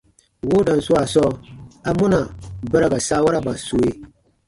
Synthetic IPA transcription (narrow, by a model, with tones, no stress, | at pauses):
wo˦da˨n˨su˦a˨sɔ˦a˨mu˦na˨bə˦ɾa˨ɡa˨sa˦wa˦ɾa˦ba˨so˨˦e˦